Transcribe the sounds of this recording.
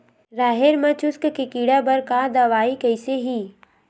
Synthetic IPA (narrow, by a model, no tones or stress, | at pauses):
ɾaːɦeɾmɐ̃t͡ʃʊskkekiːɽabɐɾkad̪ɐʋaːikɐɪseɦiː